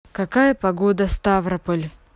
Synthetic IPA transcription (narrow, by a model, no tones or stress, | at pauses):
kɐkajəpɐɡod̪əst̪avɾɐpəlʲ